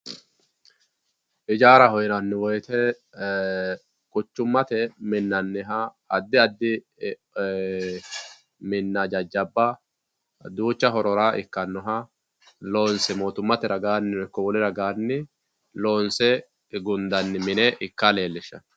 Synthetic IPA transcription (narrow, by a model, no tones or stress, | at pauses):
ʔɪd͡ʒaːɾɐhɔjnɐnːɪwɔjt̪ɛ | kʊt͡ʃːʊmːɐt̪ɛmɪnːɐnːɪɦɐː | d̪ːɪɐd̪ːɪ | mɪnːɐd͡ʒɐd͡ʒːɐbːɐ | d̪uːt͡ʃːɐɦɔɾɔɾaːʔɪkːɐnːɔɦɐ | lo̞ːnsɛmo̞ːt̪ʊmːɐt̪ɛɾɐɡaːnːɪɔkːɔwɔlɪɾɐɡaːnːɪ | loːnsɛ | ɡʊnd̪ɐnːɪmɪnɛʔɪkːale̞ːlːɪʃːɐ̰n